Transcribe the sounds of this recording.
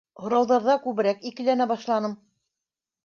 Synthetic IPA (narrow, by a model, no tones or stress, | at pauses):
hŏɾɑwðɑɾðɑkʉβɘ̆ɾækikɘ̆lænæbɑʃlˠɑnɤm